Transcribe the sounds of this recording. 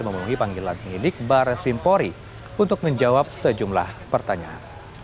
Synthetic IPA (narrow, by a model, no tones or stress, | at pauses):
məmənuɦipaŋɡilanmilɪk̚baɾsimpɔɾi | unt̪ʊk̚məɲd͡ʒawap̚səd͡ʒumla̰hpərt̪aɲaa̰n